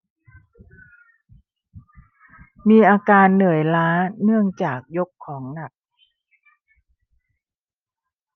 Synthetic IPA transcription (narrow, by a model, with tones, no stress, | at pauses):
miː˧ʔaː˧kaː˧nːɯ˨˩əjlaː˦˥nɯ˥˩əŋt͡ɕaː˨˩k̚jo˦˥kʰːɔː˩˦ŋna˨˩k̚